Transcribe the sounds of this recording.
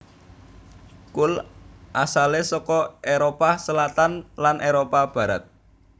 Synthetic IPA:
kʊlʔasalesɔkɔʔeɾopasəlat̪anlanʔeɾopab̥ä̤ɾa̰t̪̚

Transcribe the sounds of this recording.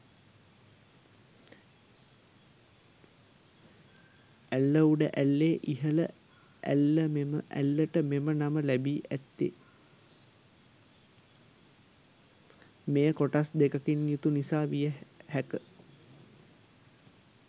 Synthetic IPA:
ælːəuɖəʔælːeːʔiɦələ̰ | ʔæ̰lːəmeməʔæ̰lːəʈəmemənaməlæbiːʔæt̪ːḛ | mejəkoʈasd̪ekəkinjut̪unisaːʋijəhækə

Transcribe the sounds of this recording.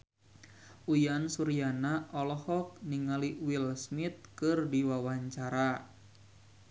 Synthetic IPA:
ʔujansuɾianaʔɔlɔhɔk̚niŋaliwilsmit̪̚kɨrdiwawaɲt͡ʃaɾa

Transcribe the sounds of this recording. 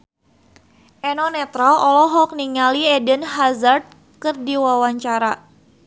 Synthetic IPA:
ʔɛnɔnɛt̪ɾalɔlɔɦɔk̚niŋaliɛdənɦazard̪̚ | kərdiwawaɲt͡ʃaɾa

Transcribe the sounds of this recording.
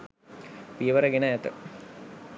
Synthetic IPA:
piəʋəɾəɡenəæt̪ə

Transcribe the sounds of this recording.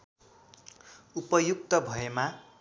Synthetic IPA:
upʌjuk̚t̪ʌbʱʌema

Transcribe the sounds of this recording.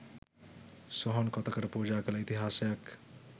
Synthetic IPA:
sɔɦɔnkɔt̪ɐkɐɾpuːd͡ʒaːkɐlit̪iɦaːsjɐk

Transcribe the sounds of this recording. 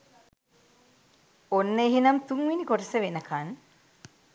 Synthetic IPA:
onːəeɦinɐmt̪uŋʋinikoʈəsəʋenəkan

